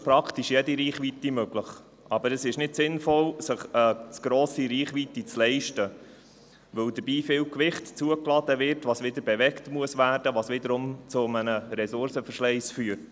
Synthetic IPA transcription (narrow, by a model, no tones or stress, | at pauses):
pɾɑktiʃjɛdiɾiːχʋit̪imøɡləχ | ʔɑbəɾəsɪʃnɪdsɪnfɔlsəχət͡sɡ̥ɾoːsiɾiːχʋit̪it͡slɛɪʃtə | ʋɵwd̪əɾb̥iːfɪlkʋɪχtt͡suəklɑdəʋɪɾtʋɑːsʋɪd̪əɾbɛʋɛktmuəsʋæːrdəʋɑːsʋɪdəɾʊmt͡sʊmənəɾɛsʊɾsəfəɾʃlɛɪsfyːəɾt